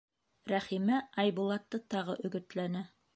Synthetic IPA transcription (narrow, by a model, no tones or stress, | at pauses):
ɾæχimæɑjbulˠɑt̪ːɤt̪ɑʁɤ̰ʔɵ̆ɡɵ̆t̪lænɘ